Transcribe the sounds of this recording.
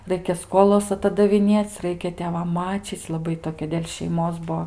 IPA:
ˈrɐɪkʲɛ ˈskoːlˠɐs ɐtɐdɐʋʲɪˈnʲeːt͡sʲ ˈrɐɪkʲɛ tʲeːˈʋɐm ˈmɑːt͡ʃʲiːt͡sʲ lˠɐˈbɐɪ toːˈkʲɛ dʲeːlʲ ʃʲɛɪˈmoːs ˈbuɔ

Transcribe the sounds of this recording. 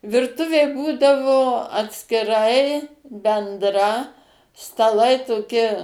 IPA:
ʋʲɪrˈtʊʋʲeː ˈbuːdɐʋoː ɐtʲsʲkʲɪˈrɐɪ bʲɛndˈrɐ stɐˈlˠɐɪ toːˈkʲɪ

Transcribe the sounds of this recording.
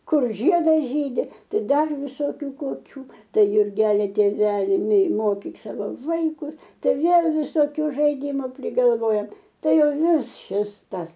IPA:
ˈkʊr ˈʒʲiɛdɐs ˈʒʲiːdʲɪ ˈtɐɪ ˈdɐr ʋʲɪˈsoːkʲʊ koːˈkʲuː ˈtɐɪ jʊrʲˈɡʲæːlʲɪ tʲeːˈʋʲæːlʲɪ nʲɛɪ ˈmoːkʲiːk ˈsɑːʋoː ˈʋɐɪkʊs ˈtɐɪ ˈʋʲeːlˠ ʋʲɪsoːˈkʲʊ ʒɐɪˈdʲɪmʊ pʲrʲɪɡɐlˠˈʋoːjɛm ˈtɐɪ ˈjɛʊ ˈʋʲɪs ˈʃʲɪs ˈtɐs

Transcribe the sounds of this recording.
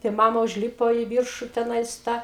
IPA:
tɐɪ ˈmɑːmɐ ʊʒʲˈlʲiːpoː ɪ ˈʋʲɪrʃʊ tʲɛˈnɐɪs tɐ

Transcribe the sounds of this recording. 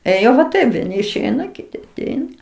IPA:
eːˈjoː ʋɐ ˈtɐɪp ʋʲiɛˈnʲɪ ɪʃʲˈɛɪnɐ kʲɪˈtʲɪ ɐˈtʲɛɪnɐ

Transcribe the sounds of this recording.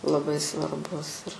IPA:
lˠɐˈbɐɪ sʋɐrˈbʊs ɪr

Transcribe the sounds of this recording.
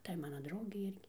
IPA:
ˈtɐɪ ˈmɑːnɐ ˈdrɐʊɡʲɛɪ ˈɪrʲɡʲɪ

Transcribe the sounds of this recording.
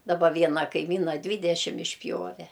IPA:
dɐˈbɐ ˈʋʲiɛnɐ kɐɪˈmʲiːnɐ ˈdʲʋʲiːdʲɛʃʲɪm ɪʃʲˈpʲjoːʋʲɛ

